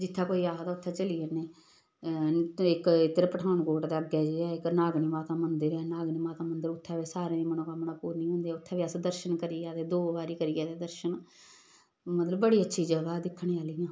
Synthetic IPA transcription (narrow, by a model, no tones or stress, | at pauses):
d͡ʒɪt̪ʰːãːkoːiːaːɦt̪aʊt̪ʰːɛ̃ːt͡ʃəliːeːneː | ɪkɪt̪ːəɾpəʈʰaːnkoːʈd̪aːəɡɛːd͡ʒeːɛːɪknaːɡniːmaːt̪aːmənd̪əɾɛːnaːɡniːmaːt̪aːmənd̪əɾʊt̪ʰːɛːʋeːsaːɾẽːd̪iːmənõːkamnaːpuːɾnĩːɦõːnd̪eːʊt̪ʰːɛːʋiːəsd̪əɾʃənkəɾijɛːd̪eːd̪oːʋaːɾiːkəɾiːɛːt̪eːd̪əɾʃən | mət̪ləbːəɽiːətːʃʰiːd͡ʒəɡaːd̪ɪkʰːɳ̃ẽːaːliːjãː